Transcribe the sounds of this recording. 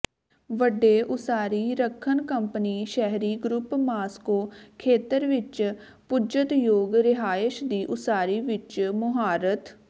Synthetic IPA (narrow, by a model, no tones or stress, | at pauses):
ʋəɖːeːʔʊsaːɾiːɾəkʰːənkəmpəniːʃɛɦɾiːɡɾʊpmaːskoːkʰeːt̪əɾʋɪt͡ʃ | pʊd͡ʒət̪joːɡɾɪɦaːɪʃd̪iːʔʊsaːɾiːʋɪt͡ʃmʊɦaːɾət̪